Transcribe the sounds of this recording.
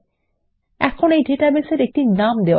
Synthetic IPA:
ɛkʰonejɖeʈabeseɾek̚ʈinamd̪ewa

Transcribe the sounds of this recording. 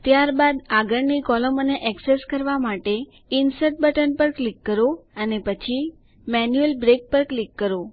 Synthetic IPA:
t̪jaɾbad̪aɡəɽnikɔləmoneʔɛkseskəɾʋamaʈe | insəʈ̚bəʈənpəɾklikːəɾoənepət͡ʃʰi | mɛnjuelbɾek̚pəɾklikːəɾo

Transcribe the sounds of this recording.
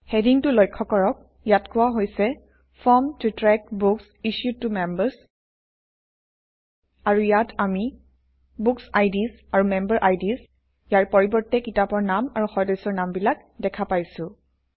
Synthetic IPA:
hɛdiŋtʊlɔjkʰːɔkɔɹɔk̚ | jatkʊwaɦojsɛ | fʰɔmtutɹɛk̚buks | iʃjud̚tːumɛmbəs | aɹujatʰami | buksajdis | aɹumɛmbəɹʔajdis | jaɹpɔɹibɔɹtːɛkitapɔɹnamaɹuxɔdɔsɔɹnambilak | dɛkʰapajsʊ̃

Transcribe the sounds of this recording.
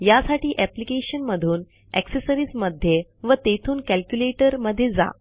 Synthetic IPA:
jasaʈiːʔɛplikeɕənməd̪ʱuːn | ɛ̰ksesəɾiːsməd̪ʱjeʋət̪et̪ʰuːnkælkjuleʈəɾməd̪ʱːjed͡za̰

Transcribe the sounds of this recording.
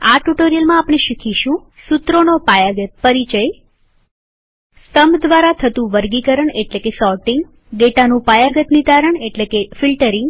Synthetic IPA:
aʈuʈoɾijəlmãapɳ̃eʃikʰiʃũ | sut̪ɾonopajaɡət̪̚pəɾit͡ʃəj | st̪əmbd̪ʋaɾat̪ʰət̪ũʋəɾɡikəɾəɳeʈlekesɔʈiŋɡ | ɡeʈanũpajaɡət̪nit̪aɾəɳeʈlekefilʈəɾɪŋɡ

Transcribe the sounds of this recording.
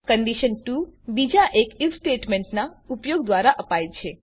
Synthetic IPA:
kəɳɖiʃənʈubid͡ʒaʔekilsʈeʈmẽɳʈnaupjoɡd̪ʋaɾaʔəpajt͡ʃʰe

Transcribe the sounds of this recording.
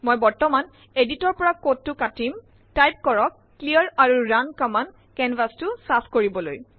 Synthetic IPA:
mojbɔɹtɔman | editɔɹpɔɹakot̚ːʊkatim | tajp̚kɔɹɔkːliɔɹaɹuɹankaman | kɛnvʱastʊsapkoɹibɔlo̰j

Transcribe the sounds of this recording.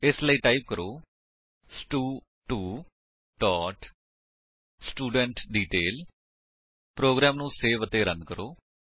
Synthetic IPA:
ɪsləiːʈaːiːp̚kəɾoː | sʈuː | ʈuː | ʈɔːʈ | sʈuːɖə̃ɳʈɖiːʈeːl | pɾoːɡɾɛːmnũːseːʋət̪eːɾənkəɾoː

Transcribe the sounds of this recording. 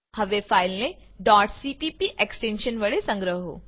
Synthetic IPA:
hɐʋefʰaːɪlnẽɖɔːʈsiːpipiʔeksʈẽːnʃənʋɐɽesɐ̃ŋɡɾəɦɦo̰ː

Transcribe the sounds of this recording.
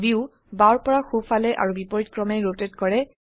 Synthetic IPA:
biʊ | baɹpɔɹaxufalɛʔa̰ɹubipɔɹitkɹɔmɛɹotɛtkɔɹɛ

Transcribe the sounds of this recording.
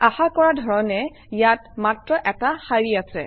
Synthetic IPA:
axakɔɹadʱɔɹɔnɛ | jatmatɹɔʔɛtaxaɹiasɛ̰

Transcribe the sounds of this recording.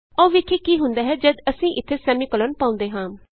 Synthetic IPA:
ɔːʋɪkʰiːkiːɦʊnd̪aːɦɛːd͡ʒəd̪əsĩːʔɪt̪ʰːeːsɛːmĩːkələnpãːʊ̃nd̪eːɦãː

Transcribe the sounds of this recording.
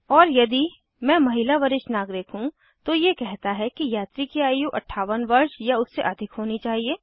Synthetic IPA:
ɔːɾjɐd̪i | mɛ̃ːmɐɦɪlaʋɐɾɪʃnaːɡɾɪkɦũ | t̪ojekɛɦt̪aɦɛkijaːt̪ɾikiaːjiũʔɐʈʰaːʋənʋɐɾʃjaʊsːeʔɐd̪ʱɪkɦoːnit͡ʃaːɦieː

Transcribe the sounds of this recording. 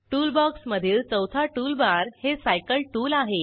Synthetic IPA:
ʈuːlbɔksməd̪ʱiːɾt͡səwt̪ʰaʈuːlbaɾhesajkəlʈuːlaɦe

